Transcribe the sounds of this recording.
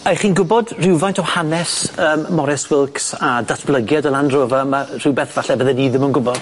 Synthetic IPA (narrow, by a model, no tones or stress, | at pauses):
ajχiːnɡʊbɔdr̥ɪwvajntʰɔwhanɛsəːmːɔɾɛswɪlˠksadatʰb̥lˠəɡjadəlˠandroːvamar̥ɪwbɛθv̥aɬɛvəðɛniːðɪmənɡʊbɔ